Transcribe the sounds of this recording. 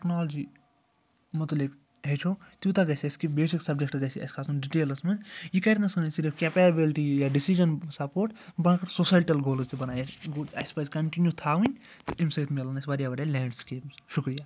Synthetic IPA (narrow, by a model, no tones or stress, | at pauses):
ʈeknaːlɐd͡ʒi | mut̪lik | ɦet͡ʃʰot̪jut̪aɡɐsʲɐskibeːsiksɐb̚d͡ʒekʈɡɐsiɐ̰skʰaːsunɖiʈeːlɐsmɐnjikɐɾnɐsɐnɐsiɾfkepebilʈijaɖisid͡ʒɐnsɐpoːɾʈbãːkɐɾsosajʈɐlɡoːlɐzt̪ibɐnaːjesɡoɐ̰spɐzkɐɳʈinjut̪ʰaːʋĩnʲ | t̪uʔimsɐit̪melɐnɐsʋɐɾijabɐɾjalɛːɳɖskeːmsʃukɾija